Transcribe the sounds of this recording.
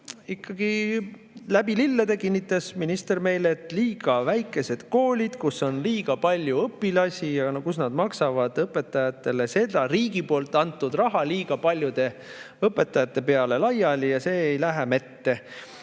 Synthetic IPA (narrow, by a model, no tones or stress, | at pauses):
ikːɑɡ̥i | læb̥ililːed̪ekinːit̪ːˑɑsminist̪e̞rme̞jlet̪ˑliːɡ̥ɑvæjkːˑe̞se̞d̪̥ko̞ːlʲid̪̥kuso̞nliːɡ̥ɑpɑlʲjuɤpːˑilɑsʲijɑnkusnɑd̪̥mɑksɑvɑd̪̥ɤpːˑe̞t̪ːˑɑjɑt̪ːˑe̞lese̞d̪ɑɾiːɡ̥ipo̞ːlt̪ːˑɑnt̪ːˑud̪rɑɦɑliːɡ̥ɑpɑlʲjud̪̥e̞ | ɤpːˑe̞t̪ːˑɑjɑt̪ːˑe̞pe̞ɑle̞lɑjɑlijɑse̞ːjlæɦemet̪ːe̞